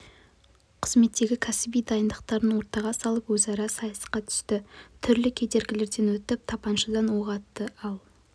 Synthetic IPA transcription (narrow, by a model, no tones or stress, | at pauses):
qʰəzme̞t̪ːe̞ɡʲɪkʲʰæsɪbijd̪ɑjənd̪əqt̪ɑɾənwo̞ɾt̪ɑʁɑsɑlˠəpwɵzɑɾɑsɑjɑsɑ̥qɑt̪ʰʏ̥st̪ɪt̪ʰʏɾlɪkʲʰe̞d̪e̞ɾɡʲɪle̞ɾd̪e̞nwɵt̪ɪp̚t̪ʰɑpɑnʃəd̪ɑnwoʁɑt̪ːəʔɑlˠ